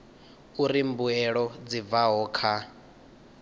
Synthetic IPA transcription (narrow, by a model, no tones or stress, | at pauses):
uɾimbuɛɺɔd͡zib̪vaɦɔːkʰa